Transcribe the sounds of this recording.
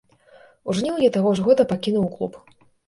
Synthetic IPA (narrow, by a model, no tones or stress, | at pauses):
uʐnʲiwjʲɛt̪aɣɔʐɣɔd̪ɐpakʲinuwklˠṵp